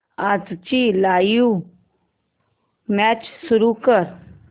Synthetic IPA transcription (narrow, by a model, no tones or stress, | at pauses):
ad͡zt͡ɕilajũ | mɛt͡ɕsuɾukəɾ